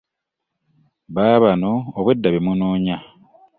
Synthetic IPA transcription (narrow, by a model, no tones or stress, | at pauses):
βaːβanoːβwe̞dːaβemunoːɲa